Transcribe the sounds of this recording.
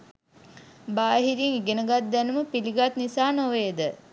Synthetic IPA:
baːɦiɾiŋiɡenəɡat̪̚d̪ænuməpiliɡat̪nisaːnoʋed̪ə

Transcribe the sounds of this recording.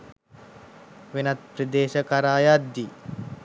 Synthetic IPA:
ʋenat̪̚pɾid̪eːʃəkaɾaːjat̪̚d̪i

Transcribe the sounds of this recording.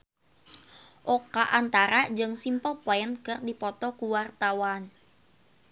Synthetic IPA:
ʔokaʔant̪aɾad͡ʒɨŋsimpəlpɔɛnkɨrdipɔt̪ɔkuwart̪awan

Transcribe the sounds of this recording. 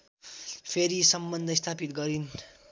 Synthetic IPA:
pʰeɾisʌmbʌnd̪ʱʌst̪ʰapit̪̚ɡʌɾin

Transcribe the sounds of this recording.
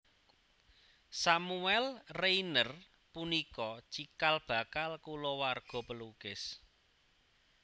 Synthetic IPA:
samuɛlreinər | punikɔt͡ʃikalb̥ä̤kalkulɔwarɡ̥ɔ̤pəlukɪs

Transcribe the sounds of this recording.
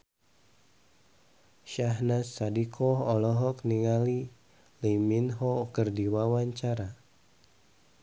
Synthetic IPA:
ʃaɦnasːadikʰɔɦɔlɔɦɔkniŋali | liminɦɔkərdiwawaɲt͡ʃaɾa

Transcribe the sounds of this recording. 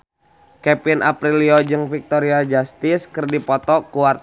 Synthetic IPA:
kɛpinʔa̰pɾiliod͡ʒɨŋfik̚t̪ɔɾiad͡ʒast̪iskərdipɔt̪ɔkuar

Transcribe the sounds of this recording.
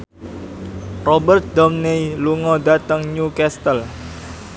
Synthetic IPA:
rɔbərt̪̚d̪ɔmneiluŋɔdat̪əŋɲukɛst̪əl

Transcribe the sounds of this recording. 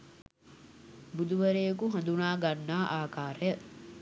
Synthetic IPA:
bud̪uʋɐɾeːkuɦɐ̃nd̪unaːɡanːaːʔaːkaːɾəjə

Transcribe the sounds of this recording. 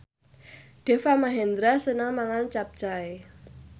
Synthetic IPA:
ɖ̥e̤famaɦɛnd̪ɾasənəŋmaŋant͡ʃap̚t͡ʃae

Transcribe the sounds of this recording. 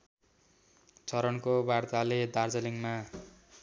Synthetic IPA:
t͡sʰʌɾʌnkobart̪aled̪ard͡zʌliŋma

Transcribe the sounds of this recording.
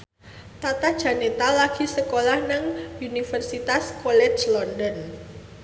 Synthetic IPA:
t̪at̪ad̥ʒ̥a̤net̪alaɡ̥i̤səkolahnəŋunifərsit̪askɔlɛ̥t͡ʃlɔndɔn

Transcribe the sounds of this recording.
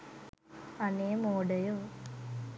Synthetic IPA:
ɐneːmoːɖɐjoː

